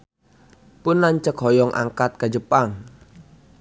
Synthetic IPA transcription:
pʊnːaɲt͡ʃəkɦɔjɔŋʔa̰ŋkat̪̚kad͡ʒəpaŋ

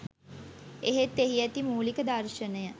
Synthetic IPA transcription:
eɦet̪ːeɦiæt̪imuːlikəd̪arʃənəjə

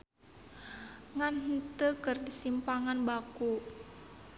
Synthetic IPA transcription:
ŋanhənt̪əkərdisimpaŋanbaku

